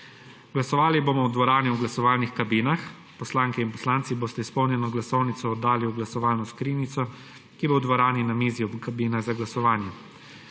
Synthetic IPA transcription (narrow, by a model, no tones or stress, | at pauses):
ɡ̥lasɔʋaːliboːmɔwd̪ʋɔɾaːniwɡlasɔʋaːlnixkabiːnax | pɔslaːŋkɛinpɔslaːnt̪siboːst̪ɛispɔwnjɛnɔɡlasɔwnit̪sɔːd̪ːaːliuɡlasɔʋaːlnɔskɾiːnit̪sɔ | kibowd̪ʋɔɾaːninameːziɔbkabiːnaɣzaɡlasɔʋaːnjɛ